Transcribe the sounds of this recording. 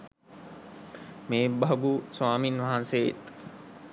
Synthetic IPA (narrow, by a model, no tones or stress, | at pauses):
mẽːbɐɦɡuswaːmiːnʋɐɦãnseːt̪